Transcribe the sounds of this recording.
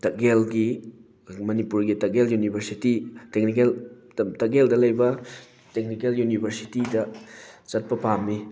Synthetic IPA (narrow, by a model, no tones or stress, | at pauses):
tɐɡelɡi | mɐnipuɾɡitɐɡeljunibʱɐɾsititek̚nik̬el | tɐɡeldɐlɐjbɐ | tek̚nikeljunibʱɐɾsi̥tidɐt͡ʃɐt̚pɐpamːi